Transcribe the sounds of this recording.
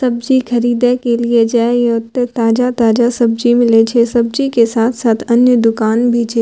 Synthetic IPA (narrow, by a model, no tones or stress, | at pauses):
sɐbd͡ʒixɐɾiːd̪ekelied͡ʒaːejot̪et̪aːd͡ʒat̪aːd͡ʒasɐb̚d͡ʒimɪlet͡ʃʰesɐbd͡ʒikesaːt̪ʰsaːt̪ʰɐnjəd̪ʊkaːnbʱit͡ʃʰe